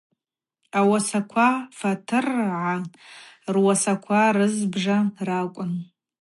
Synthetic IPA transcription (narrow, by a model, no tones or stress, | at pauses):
awasakʷʰafatʰɨrʕa | rwasakʷʰaɾɨzbʐarakʷʼʊn